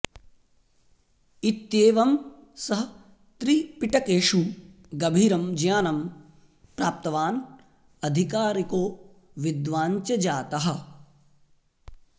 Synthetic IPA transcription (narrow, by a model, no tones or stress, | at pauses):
it̪jeːʋɐm | sɐɦɐ | t̪ɾipiʈɐkeːʂu | ɡɐbʱiːɾɐmd͡ʒjaːnɐm | pɾaːp̚t̪ɐʋaːn | ɐd̪ʱikaːɾikoː | ʋid̪ʋaːɲt͡ʃɐd͡ʒaːt̪ɐɦɐ̆